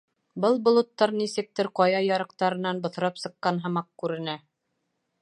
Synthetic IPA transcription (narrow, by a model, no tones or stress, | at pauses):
bɤlˠbŏlˠɤ̆t̪ːɑɾnisɘ̆k̚t̪ɘɾqɑjɑjɑɾɤ̆qt̪ɑɾɤ̆nɑnbŏθ̆ɾɑpsɤ̆qːɑnɦɤ̆mɑq̚kʉɾɘ̆næ